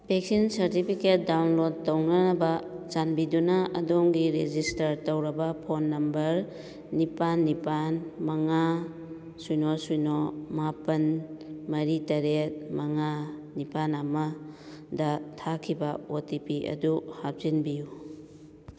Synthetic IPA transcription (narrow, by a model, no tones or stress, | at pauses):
peksinsɐɾtipʰiket̚dawnlod̚townɐnɐbɐt͡ʃanbidunɐɐ̰doŋɡiɾed͡ʒistɐɾtɐwɾɐbɐpʰonːɐmbɐɾ | nipanːipanmɐŋa | sujnosujnomapɐnmɐɾitɐɾet̚mɐŋanipanamɐdɐtʰakʰibɐotipiʔɐ̰duhap̚zinbiju